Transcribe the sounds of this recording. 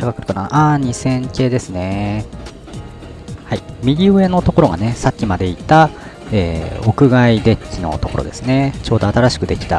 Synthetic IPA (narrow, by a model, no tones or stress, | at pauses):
akakɯ̟ɾɯ̥konaa̰ʔaɲ̟isẽ̞ŋke̞ːd̪e̞sɨne̞ | haimʲiɡʲioe̞no̞t̪o̞ko̞ɾo̞ɡa̰ne̞sakʲːimad̪e̞it̪a | ḛːo̞kɯ̟ɡaid̪e̞kʲːino̞̰t̪o̞koɾo̞̰d̪e̞sɨne̞t͡ɕo̞ːd̪o̞at̪aɾaɕi̥kɯ̟d̪e̞kʲi̥t̪a̰